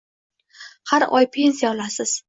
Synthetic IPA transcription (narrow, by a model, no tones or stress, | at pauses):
haɾɒjpʰe̞nsijaɒlasɪz̥